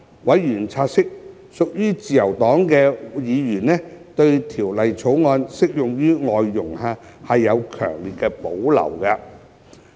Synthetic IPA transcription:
wɐ˨˥jɥyː˨˩nt͡sʰaː˧t̚sɪ˥k̚ | sʊ˨k̚jyː˥t͡siː˨jɐ˨˩wt̪ɔː˨˥ŋkɛː˧jiː˨˧jyː˨˩nnɛː˥t̪ɵ˧ɥt̪ʰiː˨˩wlɐ˨jt͡sʰo˨˥wŋɔː˧nsɪ˥k̚jʊ˨ŋjyː˥ŋɔː˨jːʊ˨˩ŋhaː˧ | hɐ˨jːɐ˨˧wkʰœ̰ː˨˩ŋliː˨˩t̚kɛː˧po˨˥wlɐ̰˨˩wkɐ˧

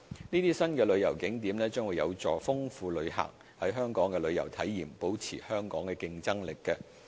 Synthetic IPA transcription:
niː˥t̪iː˥sɐ˥nkɛː˧lɵ˨˧ɥjɐ˨˩wkɪ˨˥ŋt̪̬iː˨˥mlɛː˥t͡sœː˥ŋwuː˨˧jɐ˨˧wt͡sɔː˨fʊ˥ŋfuː˧lɵ˨˧ɥɦa̰ː˨k̚ | hɐ˨˥jɦœː˥ŋkɔː˨˥ŋkɛː˧lɵ˨˧ɥjɐ̰˨˩wt̪ʰɐ˨˥jːiː˨˩mpo˨˥wt͡sʰiː˨˩hœː˥ŋkɔː˨˥ŋkɛː˧kɪ˧ŋt͡sɐ˥ŋlɪ˨kːɛ˧

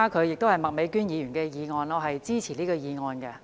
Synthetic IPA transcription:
a˥kʰɵ˨˧ɥjɪ˨k̚t̪o˥whɐ˨jmɐ˨t̚me˨˧jkyː˥njiː˨˧jyː˨˩nkɛː˧jiː˨˧ŋɔː˧nɔː˧ɦɐ˨jt͡siː˥t͡sʰiː˨˩liː˥kɔː˧jiː˨˧ŋɔː˧nkɛː˧

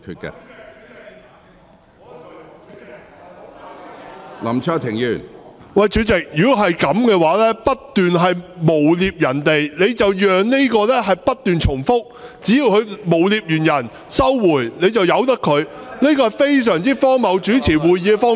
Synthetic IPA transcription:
kʰy̰˧t̚kɛ̰˧ | lɐ˨˩mt͡ʃʰœː˥t̪ʰɪ˨˩ŋjy̰ː˨˩nwɐ˨jt͡ʃyː˨˥t͡sɪ˨k̚jyː˨khɐ˨jkɐ˨˥mkɛː˧waː˨˥lɛː˥pɐ˥t̚t̪yː˨nɦɐ˨jmo˨˩wliː˧p̚jɐ˨˩nt̪e˨jne˨˧jt͡sɐ˨wjœː˨ŋne˥kɔː˧lɛː˥ɦɐ˨jpɐ˥t̚t̪yː˨nt͡ʃʰʊ˨˩ŋfʊ˥k̚t͡siː˨˥jiː˨˧whɵ˨˧ɥmo˨˩wliː˧p̚jyː˨˩njɐ˨˩n | sɐ˥wwuː˨˩jne˨˧jt͡sɐ˨wjɐ˨˧wt̪ɐ˥kʰɵ˨˧ɥniː˥kɔː˧hɐ˨˩jfe˥js̬œː˨˩ŋt͡siː˥fɔː˥ŋmɐ˨˧wt͡ʃyː˨˥t͡sʰiː˨˩wuː˨˩jjiː˨˥˧fɔː˥

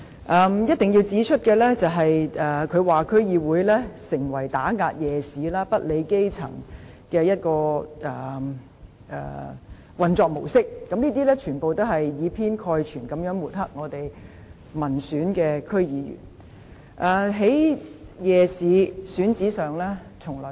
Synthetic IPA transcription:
ʔɐː˨mjɐ˥t̪̚ɪ˨ŋji˧wt͡siː˨˥t͡ʃʰɵ˥t̚kɛː˧lɛː˥t͡sɐ˨wɦɐ˨jʔɛ˨kʰɵ˨˧ɥwaː˨kʰɵ˥ɥjiː˨˧wuː˨˥jlɛː˥sɪ˨˩ŋwɐ˨˩jt̪aː˨˥ŋaː˧t̚jɛː˨siː˨˥laː˥pɐ˥t̚le˨˧jke˥jt͡sʰɐ̰˨˩ŋ | kɛː˧jɐ˥t̚kɔː˧ʔɛː˨˩ | ɛ̰ː˨ | wɐ˨nt͡ʃɔː˨˧k̚mo˨˩wsɪ˥k̚kːɐ˧˥mniː˥t̪̬iː˥lɛː˥t͡ʃʰyː˨˩npo˨wt̪o˥whɐ˨jːiː˨˧pʰiː˥nkʰɔː˧jt͡ʃʰyː˨˩nkɐ˨˥mjœː˨˥ŋwuː˨t̚hɐ˥k̚ŋɔː˨˧t̪e˨j | mɐ˨˩nsyː˨˥nkɛː˧kʰɵ˥ɥjiː˨˧jy̰ː˨˩n | ʔaː˨ɦe˨˥jjɛː˨˧siː˨˧syː˨˥nt͡siː˨˥sœː˨ŋlɛː˥ | t͡sʰʊ˨˩ŋlɔː˨˩

